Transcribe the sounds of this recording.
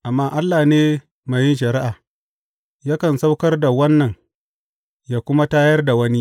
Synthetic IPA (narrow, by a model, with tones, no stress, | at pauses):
ʔa˨mːaː˦ʔa˦lːaː˨neː˦ | ma˨jɪ˦nʃɐ˨ɾɪ˦ʔaː˨ | ja˦kɐ˨nsa˦wkɐ˦rda˨wɐ˦nːɐ˨ŋ | jaː˦kʷʊ˦ma˦taː˦jɐ˦rda˨wɐ˦ni˦